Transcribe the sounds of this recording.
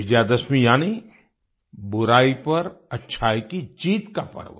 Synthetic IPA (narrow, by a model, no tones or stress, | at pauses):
ɪd͡ʒjaːd̪əsmĩjaːni | bʊɾaːipɐɾɐtːʃʰaːikid͡ʒiːt̪kapɐ̰ɾʋə